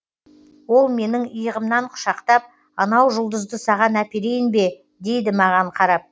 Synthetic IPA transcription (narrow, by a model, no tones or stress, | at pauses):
wo̞lˠme̞nɪŋəjəʁəmnɑɴqʰʊ̥ʃɑqt̪ɑp̚ | ɑnɑwʒʊlˠd̪əzd̪əsɑʁɑnæpeɾe̞jɪnbe̞ | d̪e̞jd̪ɪmɑʁɑɴqʰɑɾɑp̚